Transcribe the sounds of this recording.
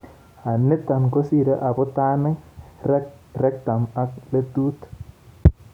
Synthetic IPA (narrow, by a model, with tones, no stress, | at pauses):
a˨nːe˦t̪a˨nko˦si˦ɾa˦ʔa˨bo˦t̪a˦nə˦ | ɾɛ˦k̚t̪a˨ma˦kle˦tu˦t̪